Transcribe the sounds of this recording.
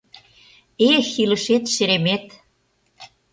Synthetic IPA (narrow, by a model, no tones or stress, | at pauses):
exilə̆ʃet̪ʃeɾemet̪